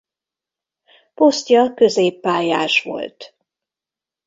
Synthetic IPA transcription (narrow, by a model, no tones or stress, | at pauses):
po̞st̪jɒkø̞zeːpːaːjaːʃʋo̞̰lt̪